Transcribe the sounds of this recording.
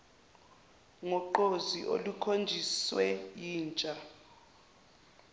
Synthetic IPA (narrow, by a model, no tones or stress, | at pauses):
ŋɔǃoziʔo̰lukʰond͡ʒʱiswɛjiːnt͡ʃʼa